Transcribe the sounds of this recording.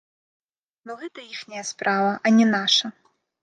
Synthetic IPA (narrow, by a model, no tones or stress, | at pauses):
nɔɣɛt̪ɐjixnʲɐjɐspɾʔavɐʔɐnʲɛnaʂɐ